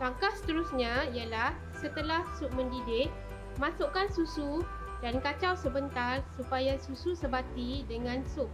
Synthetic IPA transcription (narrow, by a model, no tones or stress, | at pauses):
laŋkahsə̥t̪əɾusɲaijalah | sət̪əlahsʊʔ̚mə̃ndidɪʔ̚ | mãsoʔkansusu | dankat͡ʃawsəbənt̪arsupajasususəbat̪idəŋãnsʊk̚